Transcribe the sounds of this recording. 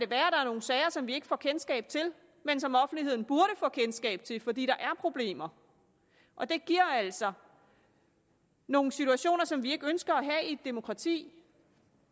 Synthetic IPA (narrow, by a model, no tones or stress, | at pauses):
æɾ̥e̝ʋæːɐɾ̥ɑ̈æɐno̝ːn̩sɛɪɐsɒ̽mʋie̝ɡ̥ə̥fɒ̰ːkʰensɡ̥ɛ̰ːb̥̚t͡sʰe̝l | mensɒ̽mɒ̽fn̩d̥ihe̝ð̰ˠn̩b̥uɐɾəfɒ̰ːkʰensɡ̥ɛ̰ːb̥̚t͡sʰe̝lfɒ̽d̥ḭːd̥ɑ̈ʔæɐpʰʁo̝b̥le̝̰ːmɐ | ʔɒ̽d̥e̝ɡ̥iɐ̰æl̰sɒ̽ | no̝ːŋ̩n̩sit͡sʰuæɕo̝̰ːnɐsɒ̽mʋie̝ɡ̥ønsɡ̥ɐæɦɛid̥e̝mo̝kʰʁɑ̈t͡sʰḭː